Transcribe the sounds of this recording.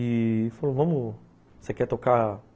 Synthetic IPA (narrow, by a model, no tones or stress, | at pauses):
ifalovɐ̃mʊ | sekɛt̪oka